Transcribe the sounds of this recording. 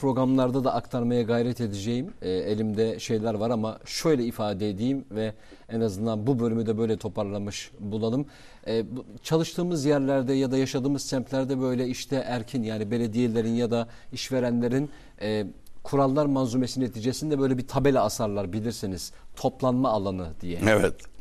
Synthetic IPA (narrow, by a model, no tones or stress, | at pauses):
pʰɾo̞ɡɾamlˠaɾd̪ad̪aʔːkt̪ʰaɾmajaɡajɾɛt̪ʰe̞d̪ed͡ʒejimɛelʲimd̪ɛʃe̞jlʲæɾvaɾamaʃø̞jlʲɛifaːd̪ɛed̪ijimvɛ | ɛnazɯnd̪anbubølʲymyd̪ɛbø̞jlʲɛt̪ʰo̞pʰaɾlˠamɯʃbulˠalˠɯm | ɛt͡ʃʰalˠɯʃt̪ʰɯːmɯzjæɾlʲæɾd̪ɛjad̪ajaʃad̪ɯːmɯzt͡ʃ̪ʰæmplʲæɾd̪ɛbø̞jlʲɛiʃt̪ʰɛʔæɾcʰinjaːnibe̞lʲe̞d̪ije̞lʲe̞ɾinjad̪a | iʃve̞ɾænlʲe̞ɾin | ɛkʰuɾalˠːaɾmanzumesinet̪ʰiːd͡ʒe̞sind̪ɛbøjlʲɛbit̪ʰabe̞lʲɛasaɾlˠaɾbilʲiɾsiniz̥t̪ʰo̞plˠanmaːlˠanɯd̪̥ijɛevɛt̪